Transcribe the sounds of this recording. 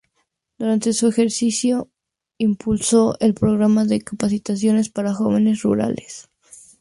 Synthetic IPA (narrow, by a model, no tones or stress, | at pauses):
d̪̥uɾant̪e̞sue̞xe̞ɾsisjo̞ | impʰulso̞ʔe̞lpɾo̞ɣɾamaðe̞kapasit̪as̬jo̞ne̞spaɾaxo̞β̞e̞ne̞srṵɾa̰les